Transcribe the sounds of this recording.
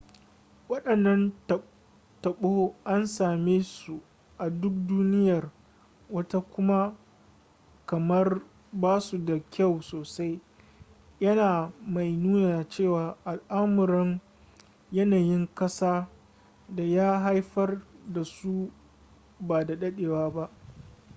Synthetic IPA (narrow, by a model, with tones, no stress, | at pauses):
wɐ˦ɗɐ˨nːɐ˦n˨ | tɐ˨ɓoː˦ʔa˦nsaː˨meː˦su˨ | ʔa˨dʊ˦k̚duː˦nɪ˦jɐ˨r | wɐ˦ta˦kʷʊ˦ma˦ | kɐ˨mɐ˦r | baː˦su˨da˨kʲa˦˨wsoː˨sa˦j | jɐ˦naː˨ma˨jnuː˦naː˨t͡ʃeː˦˨waː˨ʔa˨lʔa˦mʊ˨ɾɪ˦ŋ | jɐ˦naː˨jɪ˦ŋkɐ˦saː˦ | da˨jaː˦ɦa˦jɸɐ˦rda˨su˦ | baː˨da˨ɗɐ˦ɗeː˨waː˦ba˦ʔ